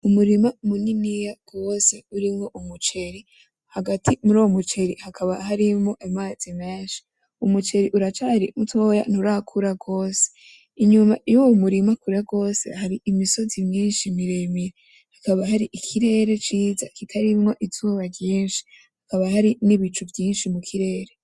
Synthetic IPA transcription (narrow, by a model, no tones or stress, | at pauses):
umuɾimamuninijaɡ̥o̞ːseuɾimŋo̞ʔumut͡ʃe̞ɾi | haɡatʰimuɾowomut͡ʃe̞ɾihakʰaβaɦaɾimŋo̞ʔemaːz̥imeːnʃi̥ | umut͡ʃe̞ɾiʔuɾat͡ʃaɾḭmutʰo̞ja̰nuɾakʰuɾaɡo̞ːse̥ | iɲuma̰jowomuɾimakuɾɾaɡo̞ːse̞̰haɾiʔːmiso̞zimɲiːnʃimiɾe̞miɾe | hakaβahaɾiʔikʰiɾe̞ːɾe̞t͡ʃiːza̰kitʰaɾimŋo̞ʔizuβaɾjiːnʃi̥ | hakaβahaɾiniβit͡ʃuvjiːnʃimukʰiɾe̞ːɾe̞